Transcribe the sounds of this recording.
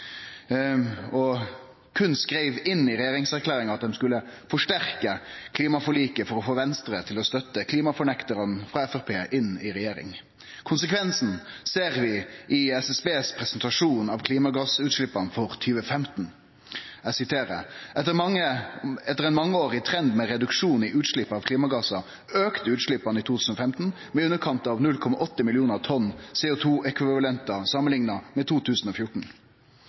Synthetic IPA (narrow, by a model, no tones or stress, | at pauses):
ɔ | kʰʉnskɾeɪʋɪnːɪɾɛjeːɾɪŋsæɾkʰlæːɾɪŋɑt̪̚d̪ɛmskʉlːəfɔʂʈæɾkəkʰliːmɑfɔliːkəfɔɾɔfoːʋɛnst̪ɾət̪ʰɪlɔst̪œt̪ːəkʰliːmɑfɔɳɛkt̪əɾənfɾɑɛfɛʁpʰeːʔɪnɪɾɛjeːɾɪ̰ŋ | kʰʊnsəkʰʋɛnsn̩seːʁʋɪʔɪɛsɛsbeːspʰɾɛsənt̪ʰɑʂuːnɑʋkʰliːmɑɡɑsʉːt̪ʃlɪpːɑnfɔɾt̪ʰyːʋəfɛmt̪n̩ | æsɪt̪ʰeːɾə̰ɛt̪ːəmɑŋəɛt̪ːəʁɛnmɑŋːəoːʁɪt̪ʰɾɛnd̪mɛɾɛd̪ʉkʂuːnɪʔʉːt̪ʂɭɪpːɑʋkʰliːmɑɡɑsɑ | øːkt̪əʉːt̪ʂɭɪpːɑnɪt̪ʰuːt̪ʰʉːn̩ɔfɛmt̪n̩ | mɛʉnːəkʰɑnt̪ɑʋnʉlkʰɔmɑʔɔt̪ːəmɪlɪuːnəʁt̪ʰɔnseːʊt̪ʰuːʔɛkʋɪʋʋɑlɛnt̪ɑsɑmːənlɪŋnɑmɛt̪ʰuːt̪ʰʉːsn̩ɔfjʊʈɳ̩